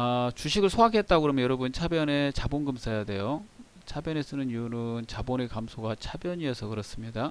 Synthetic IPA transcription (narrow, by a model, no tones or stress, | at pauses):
at͡ɕuɕʰiɡɯɭsʰoɦakʰe̞t̚t͈akɯɾʌmjnjʌɾʌbɯnt͡ɕʰabjʌne̞t͡ɕabonɡɯmsʰajade̞jo | t͡ɕʰabjʌne̞s͈ɯnɯniunɯnt͡ɕabonekamsʰoɡat͡ɕʰabjʌɲiesʰʌkɯɾʌs͈ɯmɲida